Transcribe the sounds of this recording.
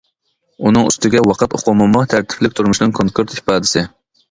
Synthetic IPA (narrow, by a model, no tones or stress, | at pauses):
unɨŋy̰st̪ɪɡʲɛwɑqʰət̪o̰qʰʊmɨmɑt̪ʰæɾt̪ʰɪ̥plɪkʲt̪ʰuɾmuʃnɨŋkʰoŋkʰuɾt̪ipɑːd̪ɪsɪ